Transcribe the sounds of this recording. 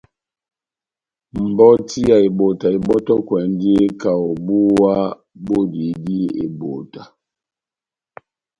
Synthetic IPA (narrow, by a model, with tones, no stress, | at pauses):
m̩˨bɔ˦ti˦a˨i˨bo˨ta˨i˨bɔ˦tɔ˦kwɛ˨˦n˦di˦e˦ka˨wɔ˨bu˦wa˦ | bo˦di˨˦di˦ḛ˨bo˨ta˨